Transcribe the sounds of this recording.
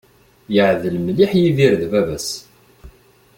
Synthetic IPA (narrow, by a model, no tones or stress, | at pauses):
jəʕðəlmliħjiðiɾðvævæs